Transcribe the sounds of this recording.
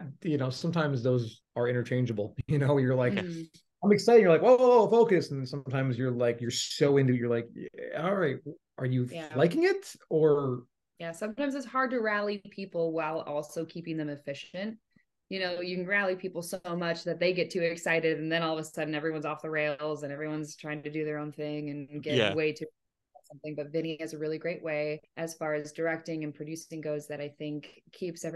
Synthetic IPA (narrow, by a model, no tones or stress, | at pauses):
jɨnoʊsʌ̃mtʰãɪ̃mzðoʊz | ə˞ɪ̃ɾ̃ə˞t͡ʃʰẽɪ̃nd͡ʒəbl̩ˠjɨnoʊjə˞laɪk | ãɪ̃mɨksaɪɾɪ̃ŋjə˞laɪkoofoʊkɨsn̩sʌ̃mtʰãɪ̃mzjə˞laɪkjə˞soʊɪ̃ntʉjə˞laɪkɑlˠɹaɪt̚ | ʔə˞jɨælaɪkɪ̃ŋɪtə˞ | jæsʌ̃mtãɪ̃mzɨtshɑɹd̚tɨɹælˠipʰipl̩ˠwaɪlˠɔlˠsoʊkʰipɪ̃ŋðɨ̃mɨfɪʃɨ̃nt̚ | jɨñoʊjɨkɨ̃n̩ɹælˠipʰipl̩ˠsoʊmʌt͡ʃðɨt̪̚ðeɪɡɛtʰʉɪksaɪɾɪɾɨ̃n̩ðɨ̃ɾ̃nɔlˠʌvəsʌdⁿn̩ɛvɹiwʌ̃nzɔfðəɹeɪlˠzɨ̃ñɛvɹiwʌ̃nz̥tʰɹ̥aɪɪ̃ŋtʰɨdɨðə˞õʊ̃nθɪ̃ŋɨ̃nɡɛweɪɾɨ | sʌ̃mθɪ̃ŋbʌtvɪ̃ɾ̃iɪ̃ŋɨzɨɹɪlˠiɡɹeɪʔ̚weɪʔɨz̥fɑɹɨzdə˞ɛk̚tɪ̃ŋɨ̃npʰɹ̥ɨdʉsɪ̃ŋɡoʊzðɨɾaɪθɪ̃ŋkʰːipsɛv